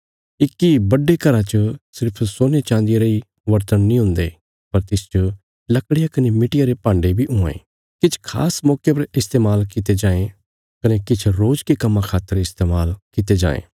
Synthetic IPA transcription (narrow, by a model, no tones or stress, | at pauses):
ɪkːibɐɖekɐɾãt͡ʃəsɪɾpʰsoːnet͡ʃãːnd̪ijeɾei | ʋɐɾt̪ənːĩɦʊ̃nd̪e | pɐɾt̪ɪst͡ʃə | lɐkɽɪjakɐnemɪʈɪjaɾepãːɳɖebʱiʊ̃ḛ̃ː | kɪt͡ʃʰkʰa̰ːsmɔːkjep̬ɐɾɪst̪eːmaːlkɪt̪ed͡ʒãːẽ | kɐnekɪt͡ʃʰɾoːd͡ʒkekɐmːãkʰaːt̪ːəɾɪst̪eːmaːlkɪt̪ed͡ʒã̰ːḛ̃ː